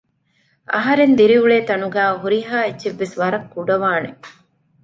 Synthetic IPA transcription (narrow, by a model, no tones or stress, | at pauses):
ʔɐɦɐɾend̪iɾiuɭeːt̪ɐnuɡæːɦuɾiɦaːetːʃeʋːesʋɐɾɐkːuɖɐʋaːne